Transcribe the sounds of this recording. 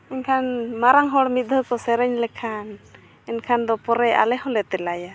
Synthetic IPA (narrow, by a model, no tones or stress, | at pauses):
ɛnkʰanmaɾaŋɦɔɽmit̪̚d̪ʱəkɔsɛɾɛɲlɛkʰan | ɛnkʰand̪ɔpɔɾɛa̰lɛhɔlɛt̪ɛlaja